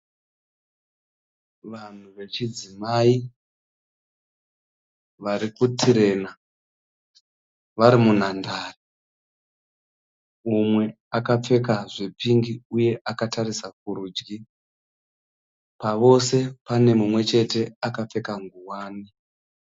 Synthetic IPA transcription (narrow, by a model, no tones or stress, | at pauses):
ʋan̤uʋe̞t͡ʃid͡zimai | ʋaɾikutʰiɾe̞na | ʋaɾimun̤andaːri | umwe̞ | akap͡fe̞kaʐipiŋɡiuje̞ʔakatarisak̚uɾuːd͡ʒɡi | paʋo̞se̞pane̞mumwe̞t͡ʃe̞te̞akap͡fe̞kaŋɡuwaːni